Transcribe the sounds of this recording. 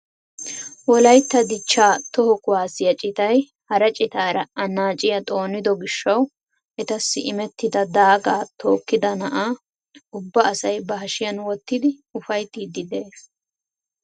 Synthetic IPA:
wɔlɐjt̪ːɐd̪ɪt͡ʃːaːt̪ɔhɔkʊwaːsɪjɐt͡ʃʼɪt̪ɐj | hɐɾɐt͡ʃʼɪt̪aːɾɐʔɐnaːt͡ʃʼɪjɐt̪ʼo̞ːnɪd̪ɔɡɪʃːɐw | ɛt̪ɐsːɪʔɪmɛt̪ːɪd̪ɐd̪aːɡaːt̪o̞ːkːɪd̪ɐnɐʔaː | ʊbːɐːsɐjbɐɦɐʃɪjɐnwɔt̪ːɪd̪ɪʊfɐjt̪ːiːd̪ɪd̪eːs

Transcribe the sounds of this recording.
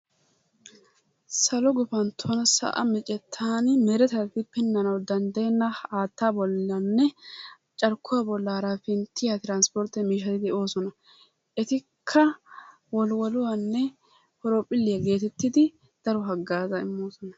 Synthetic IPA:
sɐlɔɡɔfɐnt̪ʰɔnɐsɐ̰ʔɐ̰mɪt͡ʃʼɛt̪ʰːaːnmɛɾɛt̪ɐfɪpːɛnːɐnɐwd̪ɐnd̪ɐjɛnːɐaːt̪ːaːbɔlːɐnːɛ | t͡ʃʼɐɾkːʊwabɔlːaːɾafɪnt̪ːɪjat̪ɪɾaːnspɔɾt̪ːɛmiːʃɐt̪ɪd̪ɛo̞ːsɔnɐ | ʔɛt̪ɪ | kʰːɐ | wɔlwɔlʊwanːɛ | hɔɾopʼɪlːɪjaɡe̞ːt̪ɛt̪ːɪd̪ɪ | d̪̥ɐɾɔɦɐɡːaːzɐɪmːo̞ːsɔnɐ

